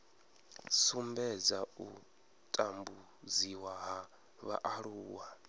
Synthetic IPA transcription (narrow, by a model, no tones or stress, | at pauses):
sumbɛd͡zau | tʼambu | d͡ziwaɦa | βa̰ʔaɺuːwa